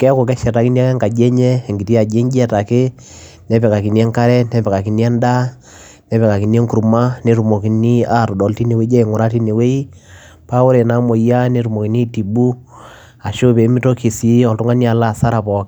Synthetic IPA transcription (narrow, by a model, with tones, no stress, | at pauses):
kɛ˦ko˨kɛ˦ʃɛ˨ta˨ki˦ni˦a˦kɛ˦ŋka˨d͡ʒɛ˦ɲɛ˦˨ŋɡi˨ti˦a˨d͡ʒe˦nd͡ʒɛ˦ta˨ke˦ | nɛ˦pɛ˨ka˨ki˨ni˦ɛ˦ŋka˦ɾɛ˦nɛ˦pɛ˨ka˨ki˨ni˦a˦nda˦ | nɛ˦pɛ˨ka˨ki˨n˦ɛ˦ŋku˨ɾu˨ma˦ne˨˦ɾu˨mo˨ki˨ni˦a˦˨ɾɔ˨dɔ˨˦lti˦ne˨we˦d͡ʒɛ˦˨ŋʊ˨ɾa˦ti˦ne˨we˦i˦ | pa˦o˦ɾe˨na˦mo˨ja˦ne˦ɾu˨mo˨ki˨ni˦ti˨bu˦ | a˨ʃo˦pe˨˦mi˦to˦ki˨si˦ɔ˨ltu˦ŋa˦ni˦a˨la˦˨sa˦ɾa˨pɔ˨k